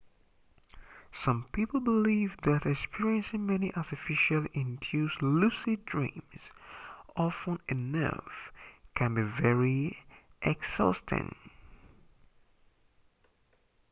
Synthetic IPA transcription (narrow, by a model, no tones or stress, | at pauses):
sʌ̃mpipl̩ˠbɪlivðɨɾɛkspiɹiɨ̃nsɪ̃ŋmɛniʔaɾɨfɪʃəlˠʔɪ̃ndʰjʉzlusidɹḭ̃mz̥ɑfə̃nɨnʌ̰fkʰɨ̃nbivɛɹiʔɛɡz̥ɔstʰɪ̰̃ŋ